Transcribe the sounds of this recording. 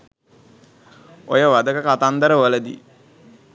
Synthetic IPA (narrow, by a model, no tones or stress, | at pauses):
ojəʋad̪əkəkat̪and̪əɾəʋələd̪ḭ